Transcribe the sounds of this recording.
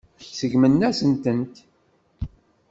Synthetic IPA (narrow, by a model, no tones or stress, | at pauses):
çsəʝmənːæsənt̪ənt̪